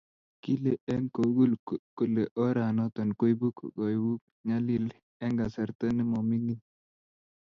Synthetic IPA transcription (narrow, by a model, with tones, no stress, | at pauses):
ki˦le˦e˦ŋko˨˦ɡu˦lko˨le˨ʔɔ˦ɾa˨nɔ˦t̪ɔ˨nko˦jbu˦kɡɔ˨˦wu˦k̚ | ɲa˦li˦l | ɛ˦ŋɡa˨sɛ˨ɾt̪ɛ˦nɪ˦mɔ˨mi˦ni˦n